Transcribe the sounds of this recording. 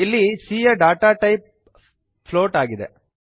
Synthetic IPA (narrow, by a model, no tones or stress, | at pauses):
ilːisiːjɐɖaːʈaːʈɐjp̚ | pʰloːʈaːɡid̪ḛ